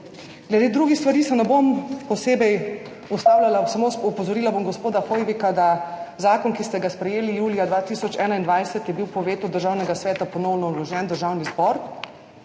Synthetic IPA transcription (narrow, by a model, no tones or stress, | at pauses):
ɡ̥lɛd̪eːd̪ɾuɡixst̪ʋaɾiːsɛnɛbompɔseːbɛj | ɔst̪aːwlalasamoɔpɔzɔɾiːlabomɡɔspoːd̪axojʋikad̪azaːkɔnkist̪ɛɡaspɾɛjeːlijuːlijad̪ʋaːt̪isɔt͡ʃɛːnaind̪ʋajsɛt̪jɛbiwpɔʋeːt̪ud̪əɾʒaːwnɛɡasʋɛːt̪apɔnɔwnɔlɔʒɛnd̪əɾʒawnizbɔɾ